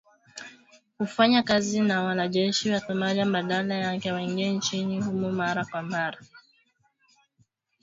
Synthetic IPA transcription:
ufaɲakazinawalad͡ʒɛʃiwatɔmaɾam̩badalajaŋkɛwɛŋɡen̩t͡ʃiɲiɦumumaɾakwamaɾa

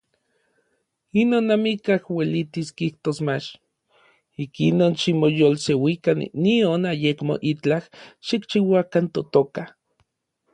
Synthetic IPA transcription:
inonːamikahwelit̪iskiht̪osmat͡ʃ | ikinoːnʃimojolsewikanːionajekmo̰ʔit͡ɬahʃikt͡ʃiwakant̪ot̪oka

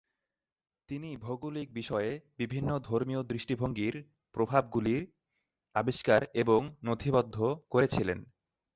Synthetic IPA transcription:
t̪inibʱoɡulik̚biʃɔebibʱinːod̪ʱoɾmiod̪ɾiʃʈibʱoŋɡiɾ | pɾobʱab̚ɡuliɾ | abiʃkaɾeboŋnot̪ʰibɔd̪ʱːokoɾet͡ɕʰilḛn

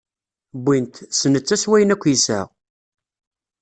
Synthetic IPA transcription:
bːint̪sənət͡sːæswæjənækʷːjisæ̰ʁ

